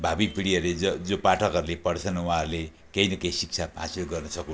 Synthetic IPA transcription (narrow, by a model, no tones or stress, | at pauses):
bʱabipʰiɽiʌɾuleʌd͡zopaʈʰʌkɦʌɾulepʌɽt͡sʰʌnuãɦɾule | kejnʌkejsik̚t͡sʰaɦa̰silɡʌrnʌsʌku